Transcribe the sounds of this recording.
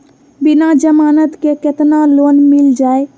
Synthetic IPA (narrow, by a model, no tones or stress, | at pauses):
bɪnad͡ʒəmaːnət̪kekɪt̪naloːnmɪld͡ʒaːe